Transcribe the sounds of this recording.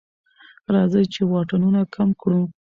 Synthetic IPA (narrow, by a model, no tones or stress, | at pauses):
ɾɑzəjt͡ʃewɑʈanunakʰamkɽu